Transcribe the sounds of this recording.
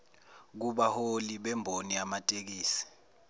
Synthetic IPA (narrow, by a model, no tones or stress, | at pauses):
k̬uɓaholiɓɛmbʱoniamatʼek̬iːsi̥